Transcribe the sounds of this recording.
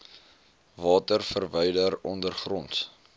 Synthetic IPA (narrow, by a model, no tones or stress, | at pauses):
vɑːtərfərvəjdəɾɔndərχrɔnt